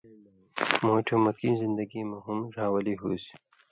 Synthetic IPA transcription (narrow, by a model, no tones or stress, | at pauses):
moːʈʰomɐkinzind̪ɐɡimɐɦumɾaːwɐliɦuːsi̥